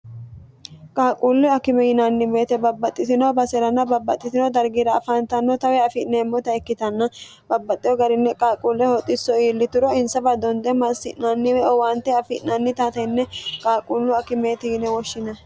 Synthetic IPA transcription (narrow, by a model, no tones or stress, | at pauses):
kʼaːkʼuːlːɪɐkɪmɛjɪnɐnːɪmeːt̪ɛbɐbːɐt̪ʼːɪt̪ɪnɔbɐsɛɾɐnːɐbɐbːɐt̪ʼːɪt̪ɪnɔd̪ɐɾɡiːɾɐːfant̪ɐnːɔt̪ɐwɛɐfɪʔneːmːɔt̪ɐɛkːɪt̪ɐnːɐ | bɐbːɐt̪ʼːɪɔɡɐɾɪnːɛkʼaːkʼuːlːɛhɔt̪ʼːɪsːɔiːlːɪt̪ʊɾɔɪnsɐbɐd̪ɔnd̪ɛmɐsːɪʔnanːɪmɛɔwaːnt̪ːɛɐfɪʔnɐnːɪt̪at̪ɐnːɛkʼaːkʼuːlːʊɐkɪme̞ːt̪ɪjɪnɛwɔʃːɪnɐ